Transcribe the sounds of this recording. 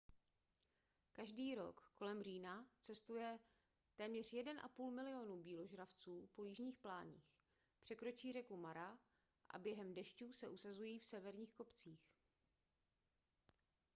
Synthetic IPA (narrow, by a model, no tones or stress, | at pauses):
kaʒdiːɾo̞̰kko̞lɛmr̝iːnat͡sɛst̪ujɛ | t̪ɛːmɲɛr̝̥jɛdɛnʔa̰puːlmɪlɪo̞nubiːlo̞ʒɾaft͡suːpo̞jɪʒɲiːxplaːɲḭːx | pr̥ɛkɾo̞t͡ʃiːr̝ɛkumaɾa | ʔa̰bjɛɦɛmdɛʃcuːsɛʔusazujiːfsɛvɛɾɲiːxko̞pt͡siːx